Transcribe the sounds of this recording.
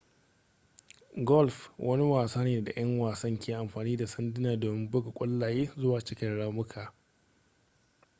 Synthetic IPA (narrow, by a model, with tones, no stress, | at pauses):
ɡɔ˦˨lɸwʔɐ˦ni˦waː˨saː˦neː˨da˨j̰ɐ˦ŋwaː˨sɐ˦ŋkʲeː˨ʔa˨mɸaː˨niː˦da˨sɐ˦ndɪ˦naː˨doː˨mɪ˦mbʊ˦ɡa˨kʷʼʊ˦lːaː˨jeː˦zʊ˦waː˨t͡ʃɪ˦kʲɐ˨ɽaː˦mʊ˦kʰaː˨